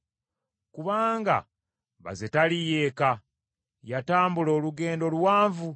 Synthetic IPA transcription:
kuβaːŋɡa̰ | βa̰zetalije̞ːka | jataːmbulo̞ːluɡe̞ːndo̞lwaːɱvu

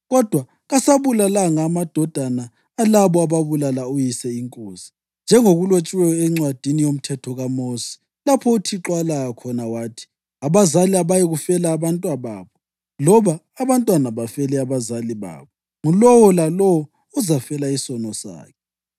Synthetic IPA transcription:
ɣɔd̥ʱwa | ɣasaβulalaŋaːmad̥ʱɔd̥ʱanaː | laβɔaβaβulalaujisɛiŋkʼo̰ːzi | nd͡ʒʱɛŋoɣulot͡ʃʼwɛjɔɛŋ͡ǀwad̥ʱinijom̩tʰɛtʰɔɣamosi̥ | lapʰɔutʰiǁwalaɣakʰɔnawaːtʰi̥ | aβazaliaβajiɣufɛlaːβantʼwaβa̰ːβɔ | lɔβaːβantʼwanaβafɛlɛaβazaliβa̰ːβɔ | ŋulɔwɔlalɔwɔ | uzafɛlaisɔnɔsa̰ːkʰɛ

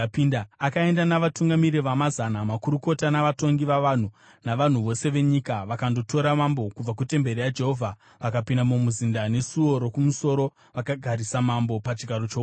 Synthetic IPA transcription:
pindaakae̞ndanaʋatuŋɡamiɾiʋamazanamakuɾuko̞tanaʋato̞ŋɡiʋaʋan̤u | naʋan̤uʋo̞se̞ʋe̞ɲikaʋakando̞to̞ɾamambo̞kub͡vak̬ute̞mbe̞ɾijad͡ʒe̞ɦo̞vʱa | ʋakapindamumuzindane̞suo̞ɾokumuso̞ɾo̞ | ʋakaɡʱaɾisamambo̞pat͡ʃiɡʱaɾot͡ʃo

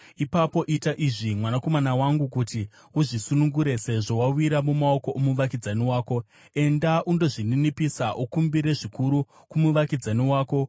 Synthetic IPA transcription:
ipapo̞ʔitaʔiʐimwanako̞manawaŋɡukuti | uʐisunuŋɡuɾe̞se̞ʐowawiɾamumao̞ko̞ʔomuʋakid͡zaniwaːko̞ | e̞ndaʔundo̞ʐininipisaʔukumbiɾe̞ʐikuɾu | kumuʋakid͡zaniwaːko̞

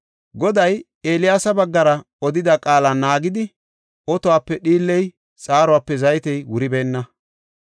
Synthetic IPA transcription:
ɡɔd̪ɐj | eːlɪjaːsɐbɐɡːɐɾɐ | ɔd̪ɪd̪ɐkʼaːlɐnːaːɡɪd̪ɪ | ɔt̪ɔwaːpːɛɗiːlːɛj | t͡sʼaːɾɔwaːpːɛzɐjt̪ɛjwʊɾɪbeːnːɐ

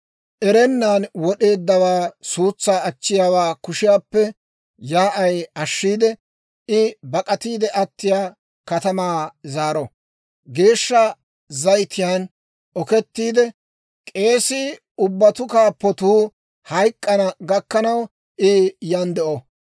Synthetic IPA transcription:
ʔɛɾɛnːaːnwɔɗe̞ːd̪ːɐwaːsuːt͡sːaːɐt͡ʃːɪjaːwaːkʊʃɪjaːpːɛ | jaːʔɐjɐʃːiːd̪ɛ | ɪbɐkʼɐt̪iːd̪ɛʔɐt̪ːɪjaː | kɐt̪ɐmaːzaːɾɔ | ɡe̞ːʃːɐ | zɐjt̪ɪjaːn | ɔkɛt̪ːiːd̪ɛ | kʼe̞ːsɪ | ʊbːɐt̪ʊkaːpːɔt̪uː | hɐjkʼːɐnɐɡɐkːɐnɐw | ʔɪjɐnd̪ɛʔɔ

